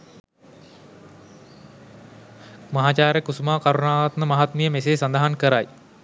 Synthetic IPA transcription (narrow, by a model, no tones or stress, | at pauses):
mɐɦaːt͡ʃaːɾekusumaːkaɾunaːʋat̪məmɐɦat̪mijəmeseːsand̪ɐɦankəɾaj